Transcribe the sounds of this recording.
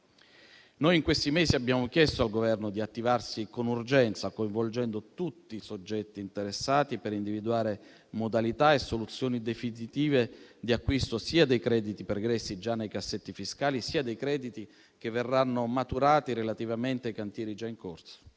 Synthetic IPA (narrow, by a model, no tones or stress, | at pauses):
nojiŋkwest̪imeːsiabjaːmokjɛst̪oalɡovɛrnod̪iat̪ːivarsikonurd͡ʒɛnt̪sakoiɱvold͡ʒɛnd̪ot̪ut̪ːisod͡ʒːɛt̪ːiːnt̪eɾesːaːt̪ipeɾind̪ivid̪uaːɾe | mod̪alit̪aesːolut̪sːjoːnid̪efinit̪iːved̪iakːwist̪osiːad̪ejkɾɛːd̪it̪ipeɾɡɾɛsːid͡ʒanːejkasːet̪ːifiskaːlisiːad̪ejkɾɛːd̪it̪i | k̟evːerːanːomat̪uɾaːt̪iɾelat̪ivament̪eajkant̪jɛːɾid͡ʒaiŋkorso̥